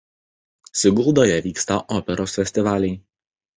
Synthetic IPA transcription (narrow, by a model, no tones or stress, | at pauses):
sʲɪɡʊlˠd̪oːjɛʋʲiːkst̪ɐʔɔːpʲɛɾoːsfʲɛsʲt̪ʲɪʋɑːlʲɛɪ